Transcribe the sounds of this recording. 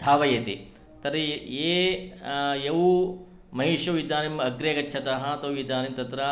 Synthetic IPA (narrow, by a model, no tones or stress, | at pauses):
d̪ʱaːʋɐjɐt̪ḭ | t̪ɐɾieː | jɐʋu | mɐɦiʃɐʋid̪aːnimɐɡɾeːkɐt͡ʃːt͡ʃʰɐt̪ɐɦɐt̪ɐʋʋid̪aːnimt̪ɐt̪ɾɐ